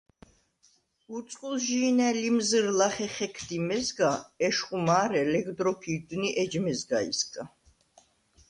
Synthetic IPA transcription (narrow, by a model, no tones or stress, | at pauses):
ut̪sʼqʼulʒiːnɛlimzəɾlaχɛχɛkʰd̪imɛzɡaɛʃχʼumaːɾɛlɛɡd̪ɾɔpʰid̪niʔɛd͡ʒmɛzɡaḭsɡʼa